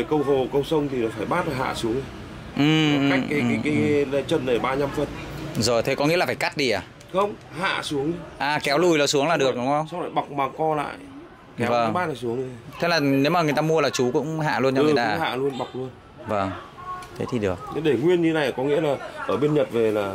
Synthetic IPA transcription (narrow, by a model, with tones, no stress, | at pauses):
e˧˨˩kə˧wɦo˨˩kə˧wsə˧wŋ͡mt̪ʰi˨˩nɔ˨˦faː˧˩jɓaː˦˥t̚laː˨˩ɦa̰ː˧˨su˨˦əŋ˧ | ʔɨ˨˩m˧˩ka˦jkːaː˨˦jaː˨˦kaː˨˦jla˨˦t͡ɕə˧˩nnə˨˩ɓaː˧ɲa˧mfə˨˧˩nzo˨˩jt̪ʰe˨˦kɔ˨˦ŋḭ˧˥lːfaː˧˩ka˦˥t̚ɗi˧ʔaː˧˩ | xə˧wŋ͡mha̰ː˧˨su˨˦əŋ˧ʔaː˨˩kɛ˨˦wlu˨˩jlɔ˨˩su˨˦əŋlaː˨˩ɗɨ˨˩ək̚ɗʊ˨˦ŋ͡mxə˧wsa˧wla̰ː˧˨ɓa˨˩wk͡p̚maː˨˩wkɔ˧la̰ː˧˨j | kɛ˨˦və˨˧˩ŋ˦ɓaː˦˥t̚aː˨˩su˨˦əŋ˧˦t̪ʰe˨˦˥laː˨˩ne˨˦maː˨ŋɨ˨˩ə˩jt̪aː˧mu˧əlaː˨˩t͡ɕu˨˦kʊ̰˧˥ŋ͡mɦa̰ː˧˨lu˧ənt͡ɕɔ˧˨˩t̪aː˧˨˦ha̰ː˧˨lu˧ənɓa˨˩wk͡p̚lu˧ən | və˧˩ŋ | t̪ʰe˨˦t̪ʰi˨˩ɗɨ˨˩ək̚ɲ˧˦ɗe˧˩ŋwi˧ənɲɨ˧˨˦na˨˩jkɔ˨˦ŋḭ˧˥əlaː˨˩ʔəː˧˩ɓe˧nɲə˨˩t̚ve˨˩laː˨˩